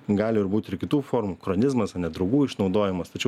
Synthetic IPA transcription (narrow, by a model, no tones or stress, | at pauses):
ɡɑːlʲɪɪɾbuːt̪ʲɪɾkʲɪt̪uːfoːɾmuːkɾonʲɪzmɐsɐnʲɛd̪ɾɐʊɡuːɪʃnɒʊd̪oːjɪmɐst̪ɐt͡ʃʲɛʊ